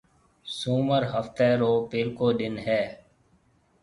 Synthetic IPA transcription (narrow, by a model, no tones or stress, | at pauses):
suːməɾɦəft̪eːɾoːpɪlkoːɗ̪ɪnɦɛː